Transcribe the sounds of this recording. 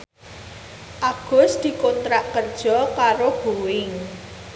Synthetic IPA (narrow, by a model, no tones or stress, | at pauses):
ʔaɡ̥ʊ̤sd̪̥i̤kont̪ɾaʔkərd̥ʒ̥ɔ̤kaɾoɡ̥uwɪŋ